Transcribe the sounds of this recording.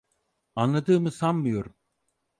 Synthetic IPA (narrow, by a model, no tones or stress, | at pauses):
anlˠad̪ɯːmɯsammɯjo̞ɾum